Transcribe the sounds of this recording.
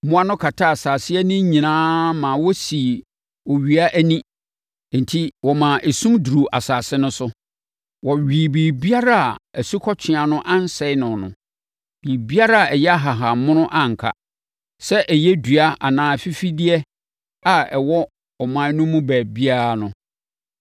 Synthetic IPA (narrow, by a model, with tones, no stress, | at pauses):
mʊ̃˦a˦nʊ̃˦kʰa˨tʰa˦a˨saː˨sɪ˦ɛ˦nɪ̃˦ɲĩ˨nãː˦mã˨wɔ˦si˨ | ɔ˨ɥi˨a˦ʔæ˦nĩ˦ | n̩˨tʰi˦wɔ˨mã˨ʔe˨sũ˦mdu˨ɾu˨ʔa˨saː˨sɪ˦nʊ̃˦sʊ˦ | wɔ˨ɥiː˨biː˨bi˦a˦ɾa˦a˨æ˨su˦kʰɔ˦t͡ɕʰᶣɪ˨a˨nʊ̃˦ʔã˦n˦sɛ˨˦ɪ˦nʊ̃˨nʊ̰̃˨ | b̥iː˨bi˦a˦ɾa˦a˨ʔɛ˨jɛ˦a˦ɦa˨ɦa˨mʊ̃˦nʊ̃˦ʔã˦ŋ̩˨kʰa̰˦ | sɛ˦ʔɛ˨jɛ˦du˨a˦a̰˨nãː˨fi˦fi˦di˦ɛ˦ | a˨ɛ˨wɔ˦ | ɔ˨mã˦nʊ̃˦mũ˦bæː˨bi˦a˦ɾa˨nʊ̃˦